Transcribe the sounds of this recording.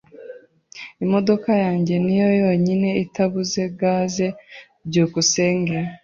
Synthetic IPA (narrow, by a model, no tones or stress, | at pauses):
imo̞do̞kajaːɲɟe̞nijo̞jo̞ɲine̞itaβuze̞ɡaːze̞ | ɟukuse̞ːŋɡeɾa